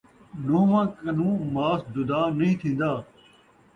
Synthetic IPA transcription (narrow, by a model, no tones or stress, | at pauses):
noɦmãkɐnũːmaːsd͡ʒʊd̪aːnɐĩːt̪ʰĩːnd̪aː